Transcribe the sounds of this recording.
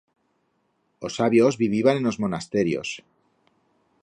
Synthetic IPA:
o̞saβjozβiβiβaneno̞zmo̞nast̪e̞ɾjo̞̰s

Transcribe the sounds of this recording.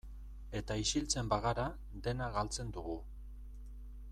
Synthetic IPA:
e̞t̪aisilt͡se̞mbaɣaɾa | d̪e̞naɣalt͡se̞nd̪uɣu

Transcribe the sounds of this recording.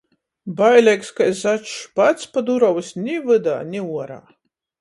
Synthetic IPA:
bajlʲɛkskajzat͡ʃʃpat̪spad̪uɾɔwsʲnʲivɨd̪a̰ːnʲiuɔɾa̰ː

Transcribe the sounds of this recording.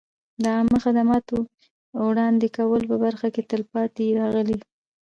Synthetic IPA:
d̪əɑmaxad̪amɑt̪o | wɽɑnd̪ekawəlpəbaɾxaket̪əlpɑt̪eɾɑɣəli

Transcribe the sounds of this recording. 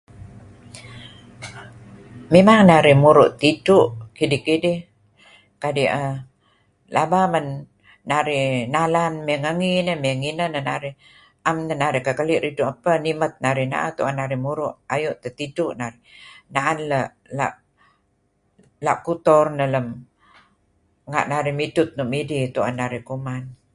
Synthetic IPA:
mimaŋnaɾimuɾʊʔt̪iduʔkidikidih | kadiʔə | labamənː | aɾinalanmiŋəŋinəmiŋinənənaɾi | ʔamnənaɾikəkəliʔɾiduʔapənimət̪̚naɾina̰ʔat̪uʔanːaɾimuɾʊʔajuʔt̪ət̪iduʔnaɾinaʔanləʔ | la̰ʔ | la̰ʔkut̪ɔrnələm | ŋa̰ʔnaɾimidʊt̪̚nuʔmidit̪ua̰nːaɾikuman

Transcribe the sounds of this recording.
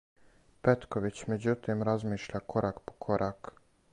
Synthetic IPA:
pet̪koʋit͡ɕmed͡ʑut̪imɾazmiːʃʎakoɾʔakpo̥kʰoɾʔak

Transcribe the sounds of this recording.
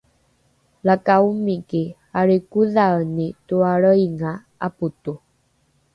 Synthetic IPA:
lakaumike | aɾekuðaənituaɭəiŋa | aput̪u

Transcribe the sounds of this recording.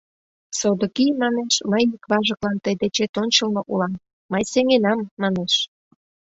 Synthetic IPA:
sod̪okimɑneʃməjikβɑʒəklɑnt̪əjd̪et͡ɕet̪onʲt͡ɕəlmŏʔulɑmː | əjseŋenɑmːɑneʃ

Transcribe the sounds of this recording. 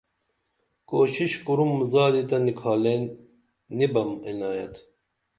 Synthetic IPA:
koːɕiɕkuɾumːzaːd̪it̪ɐnikʰaːle | nibɐminaːjɐ̰t̪

